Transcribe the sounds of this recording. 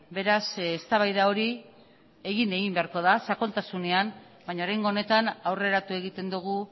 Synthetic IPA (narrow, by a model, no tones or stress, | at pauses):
be̞ɾasest̪aβajðao̞ɾi | e̞ɣine̞ɣimbe̞aɾko̞ðasako̞lt̪asune̞an | baɲaoɾajŋɡo̞ːne̞t̪anawre̞ɾat̪ue̞ɣit̪e̞nd̪uɣ̞u